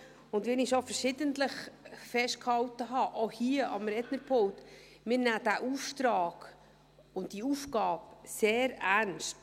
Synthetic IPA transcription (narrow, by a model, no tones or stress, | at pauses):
ʊndʋɛnɪʃofəɾʃɪdəntləχfɛʃt̚khɑwtəɦɑʔohiəʔɑ̰mɾɛdnəɾpʰolt | mɪːɾnæːd̥æʔuːftɾɑːɡ̥ | ʊntd̥iufɡɑːpseːɾæɾnst